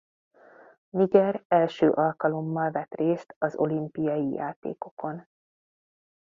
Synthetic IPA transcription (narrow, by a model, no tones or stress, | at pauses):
miɟɛrɛlʃøːʔɒlkɒlo̞mːɒlvɛt̪reːst̪ɒzo̞̰limpijɒjija̰ːt̪ḛːko̞ko̞n